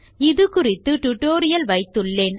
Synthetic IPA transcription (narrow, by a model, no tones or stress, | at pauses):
ɪðɯkʊrɪt̪ːɯʈʊʈːoːɾɪjɐlʋɐɪt̪ːɯɭːeːn